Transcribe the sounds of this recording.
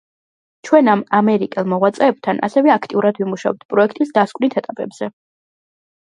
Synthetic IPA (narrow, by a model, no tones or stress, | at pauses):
t͡ʃʰwɛnamamɛɾikʼɛlˠmɔʁwat̪sʼɛːb̥̚t̪ʰanʔa̰sɛvɛakʰt̪ʼiuɾad̪vimuʃaɔɛt̪̚ʰpʼɾɔɛkʰt̪ʼisd̪askʼnit̪ʰɛt̪ʼapʼɛbz̥ɛ